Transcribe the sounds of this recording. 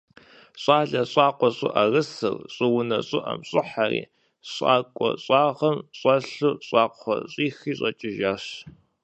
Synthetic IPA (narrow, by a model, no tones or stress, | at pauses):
ɕʼaːɮɐɕʼɑːqʷɔɕʼʊ̰ʔɐrɨsɨ̰rɕʼɨwʊnɐɕʼɨʔɐ̰mɕʼɪħarḭː | ɕʼa̰ːkʷʼɔ̰ɕʼɑːʁɐmɕʼɐɬuɕʼɑːqʰʷɔ̰ɕʼiːxiːɕʼɐt͡ʃʼɪʒaːɕ